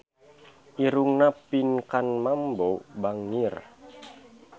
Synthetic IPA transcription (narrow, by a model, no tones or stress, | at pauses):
ʔiɾuŋnapinkanmambobaŋir